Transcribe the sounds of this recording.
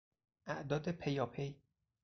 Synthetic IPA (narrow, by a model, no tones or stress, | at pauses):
ʔæʔd̪ɒːd̪epʰejɒːpʰej